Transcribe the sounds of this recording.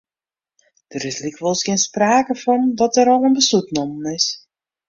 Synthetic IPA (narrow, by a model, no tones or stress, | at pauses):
d̥əɾɪslikʋɔlˠsɡɪnspraːkəfɔndɔtəɾɔlˠənbəsutnɔmənɪs